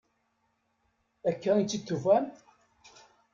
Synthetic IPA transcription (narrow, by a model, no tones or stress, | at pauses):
ækːæit͡s̪ːit̪ːuvæn